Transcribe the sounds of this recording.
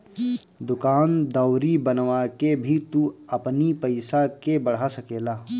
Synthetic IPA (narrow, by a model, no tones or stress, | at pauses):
d̪ʊkaːnd̪ɐːɾibɐnʋakebʱit̪uɐpnipɐɪsakebɐɽ̤asɐkeːlaː